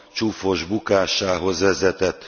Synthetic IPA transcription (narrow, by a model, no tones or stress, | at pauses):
t͡ʃufo̞ʒbukaːʃaːɦo̞zʋɛzɛt̪ɛt̪ː